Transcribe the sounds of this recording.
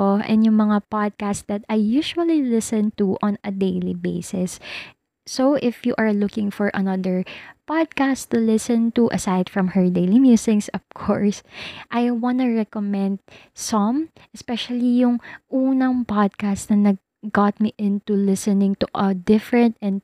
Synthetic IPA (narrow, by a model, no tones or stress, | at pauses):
oʔɛ̰̃nd̪jʊŋmɐŋapad̪̚kastd̪ɐt̪ajjuʃuɐlilɪsɛ̃nt̪uʔɔ̃nɐd̪ejlibeɪsɪsː | owʔɪfjuʔɐɹlʊkɪ̃ŋfɔɹʔɐ̰nɐd̪əɹpad̪̚kast̪ulɪsɛ̃nt̪uʔɐsajd̪fɹɐ̃mhɛɹd̪ejlimjusɪksɔv̥kʰɔ̰ɹsʔajwanuɹɛkomɛ̃nd̪̚ | sɔm | ʔɛspɛʃɐlijʊŋʔuːnɐŋpad̪̚kastnɐnɐɡ̚ | ɡat̪̚miʔɪ̃nt̪ulɪsɛnɪ̃ŋt̪uʔɐd̪ɪfɹɛ̃nt̪̚ɛ̃nd̪̚